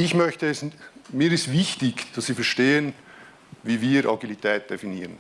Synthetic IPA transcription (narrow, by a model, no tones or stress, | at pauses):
ɪçmœçtəɛsmiːɾɪstvɪçtɪkd̥ɑssiːfɛɐʃteːən | viːviːɾʔɑ̰ɡilitʰɛːt̚d̥efiniːʁən